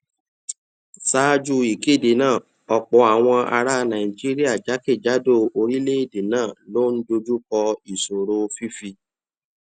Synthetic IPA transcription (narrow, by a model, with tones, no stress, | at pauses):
sa˦d͡ʒu˦˧i˨ke˦˨de˨nãː˦˨ | ɔ˨k͡pɔ˨˧a˨w̃ɔ̃˧a̰˧ɾa˦nã˨i˨d͡ʒi˦ɾi˦a˦˨d͡ʒa˨˦ke˦˨d͡ʒa˨˦do˦˨o˧ɾi˦le˦i˦˨de˨nãː˦˨lo˦n̩˦do˧d͡ʒu˦kɔ˧i˨so˨ɾo˧fi˦fi˧